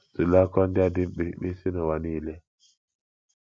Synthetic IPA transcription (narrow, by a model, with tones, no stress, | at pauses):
su˨la˦kɔ˦nda˦di˦mɓi˨ɓi˦si˦nɔ˨wa˨ni˦˨lɛ˦